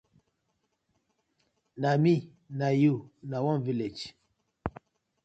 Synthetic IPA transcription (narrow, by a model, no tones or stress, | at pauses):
nami | najunawɔ̃nviled͡ʒ